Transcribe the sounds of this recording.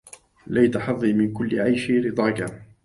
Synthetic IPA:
lajt̪aħɑðˤːiːmɪnkʊlːɪʕajʃɪɾɨd̪ˤɑːka

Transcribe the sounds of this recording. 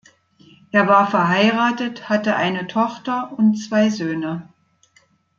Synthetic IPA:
ʔeːɐvaːɐfɛɐɦaɪʁaːtəthatəʔaɪnətʰɔχtɐʊnt͡sv̥aɪzøːnə

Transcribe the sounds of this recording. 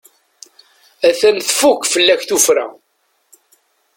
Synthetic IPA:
æθænθfukːfəlːæçθufɾæ̰

